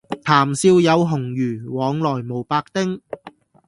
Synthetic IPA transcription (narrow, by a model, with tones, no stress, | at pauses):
t̪ʰaː˨˩msiː˧wjɐ˨˧wɦʊ˨˩ŋjyː˨˩wɔː˨˧ŋlɔː˨˩jmo˨˩wpaː˧k̚t̪ɪ˥ŋ